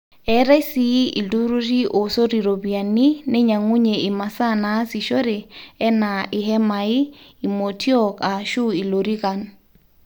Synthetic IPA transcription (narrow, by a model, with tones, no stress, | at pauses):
ɛ˨ɾɛ˦si˦i˨lu˦ɾu˦ɾi˦ʔo˨so˦ɾi˨ɾo˨βi˨a˨ni˦ne˦ɲa˨ŋu˦ɲe˨i˨ma˨sa˦˨naː˨˦si˨ʃo˦ɾe˨ɛ˦na˨ʔɪ˨ɦɛ˦ma˨i˦i˨mo˨tʰi˦ɔ˦˨ka˨ʃu˦i˨lo˨ɾi˦ɣa˨n